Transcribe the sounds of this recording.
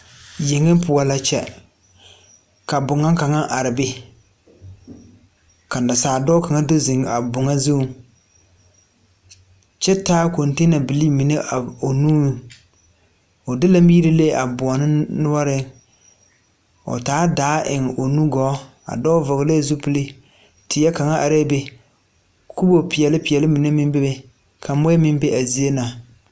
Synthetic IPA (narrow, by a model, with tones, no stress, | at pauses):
je˨ŋɪ˦pʊ˨a˨la˦t͡ʃɛ̰˦ | ka˨bʊ˨ŋa˦ŋka˨ŋa˦ʔa˨ɾɪ˨bɪ˦ | ka˨n˨da˨saː˨dɔ˦ka˨ŋa˦do˦zɪ˨ŋ˨a˨bʊ˨ŋa˦zu˦˨ | t͡ʃɛ˦taː˦ko˨nte˦na˨bɪ˨li˦mi˨ne˦ʔa˨o˨nuː˦˨ | o˨dɪ˦la˦miː˦ɾi˦le˦˨ʔa˨bʊ˨ɔ˨nɪ˦nʊ˦wa˦ɾɪ˦ | ʊ̰˨taː˨˦daː˨˦ʔɪ˨ŋ˨o˨nu˦ɡɔː˨˦ | a̰˨dɔ˦vɔ˨ɡɪ˨le˦˨zu˦pi˨li˦ | tɪ˨jɛ˦ka˨ŋa˦ʔa˨ɾɛ˦be˨ | ku˦bo˨pɪ˨ɛ˨lɪ˦pɪ˨ɛ˨lɪ˦mi˨ne˦mɪ˦m˦bɛ˦be˨ | kʰa˨mʊ˦ɛ˦mɪ˦m˦be˦ʔa˨zi˨˦e˦na˨